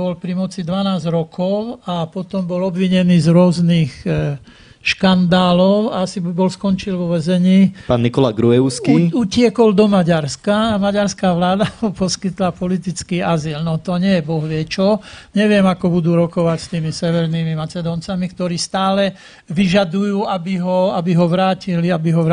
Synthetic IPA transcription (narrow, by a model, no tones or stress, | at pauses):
bɔlpɾimɔt͡sid̪ʋanaːzɾɔkʰɔʊapɔt̪ɔmbɔlɔbʋiɲɛniːzɾʊɔzniːx | ʃkand̪aːlɔʊaasibɔlskɔnt͡ʃilʋɔʋɛzɛɲiːpaːnːikɔlaɡɾuɛʊskiucɪɛkɔld̪ɔmaɟaɾskaːmaɟaɾskaːʋlaːd̪aɦɔpɔskit̪lapɔlit̪it͡skiːaziːlnɔt̪ɔɲɪɛjɛbɔɦʋɪɛt͡ʃɔɲɛʋɪɛmakɔbud̪uːɾɔkɔʋacst̪iːmisɛʋɛɾnimimat͡sɛd̪ɔːnt͡samikt̪ɔɾiːst̪aːlɛ | ʋiʒad̪ujuːabiɦɔabiɦɔʋɾaːciliabiɦɔʋ